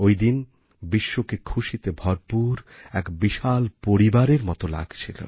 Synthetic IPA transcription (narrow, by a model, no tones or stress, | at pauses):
ojd̪in | biʃːokekʰuʃit̪ebʱɔɾpuɾɛkbiʃalpoɾibaɾeɾmɔt̪ola̰ɡt͡ɕʰilo̰